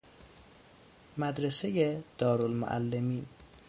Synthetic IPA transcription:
mæd̪ɾesejed̪̥ɒːɾolmo̰ʔæ̰lːemiːn

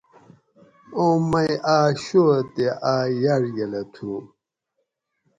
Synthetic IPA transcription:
õmɐjaːɕot̪eʔaːjaɾjɐlɐt̪ʰu

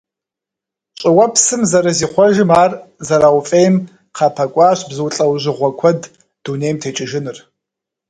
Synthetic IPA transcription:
t͡ʃʼɪwɐpʰsɨmzɐɾɐziːχʷɔʒɪmaːrzɐɾaːwfʼeːjm | qʰɑːpʰɐkʷʼaːɕbzɨwɬʼɐwʑɪʁʷɔkʷʰɐd | d̥unejmtʰeːt͡ʃʼɪʒɪnɨr

